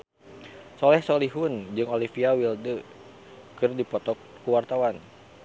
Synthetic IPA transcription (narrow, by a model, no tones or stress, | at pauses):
sɔlɛhsoliɦʊnd͡ʒɨŋolifiawildə | kɨrdipɔt̪ɔkːuwart̪awan